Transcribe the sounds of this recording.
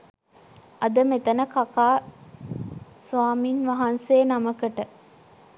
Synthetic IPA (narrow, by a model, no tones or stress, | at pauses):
ʔɐd̪əmet̪ɐnəkɐkaː | sʋaːmiːnʋɐɦɐnseːnɐməkəʈə